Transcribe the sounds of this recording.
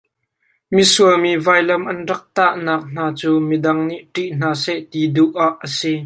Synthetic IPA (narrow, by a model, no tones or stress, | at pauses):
misuəmiːvaːjlɐmʔɐnrɐk̚t̪aʔnaːk̚n̥aːt͡suːmidɐŋniʔʈiʔn̥aːsɛʔt̪iːduʔaːʔːəsi